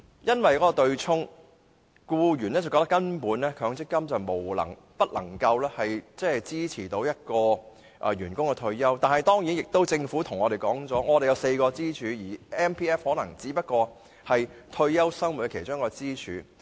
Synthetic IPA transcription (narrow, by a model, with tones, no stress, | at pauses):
jɐ˥nwɐ˨jkɔː˨˥kːɔ˧t̪ɵ˧ɥt͡ʃʰʊ˥ŋ | kuː˧jyː˨˩nɛ˥t͡sɐ˨˩kɔ˧kt̪ɐ˥kɐ˥npuː˨˥nlɛː˥kʰœː˨˧˥ŋt͡sɪ˥kːɐ˥mt͡sɐ˨wmo˨˩wlɐ̰˨˩ŋ | pɐ˥t̚lɐ̰˨˩ŋkɐ˧wlɛː˥hɐ˨jt͡sɛː˥˨t͡siː˥t͡sʰiː˨˩t̪o˨˥wjɐ˥t̚kɔː˧ | ʔɛ˨ɥyː˨˩nkʊ˥ŋkɛ˧t̪ʰɵ˧ɥjɐ˥wt̪aː˨nhɐ˨jt̪ɔː˥ŋji˨˥njɪ˨˩k̚t̪o˥wt͡sɪ˧ŋfu˨˥t̪ʰʊ˨˩ŋɔː˨˧ɾe˨jkɔː˨˥ŋt͡sɔː˨˥ŋɔː˨˧d̪e˨jɐ˨˧wse˧jkɔː˧t͡siː˥t͡ʃʰyː˨˧jiː˨˩ɛː˥npʰiː˥ɛː˥fhɔː˨˥nɐ˨˩ŋt͡siː˨˥pɐ˥t̚kɔː˧ | hɐ˨jt̪ʰɵ˧ɥjɐ˥wsɐ˥ŋwu˨˩tkɛ˧kʰe˨˩jt͡ʃʊː˥ŋkɔː˧t͡siː˥t͡ʃʰyː˨˧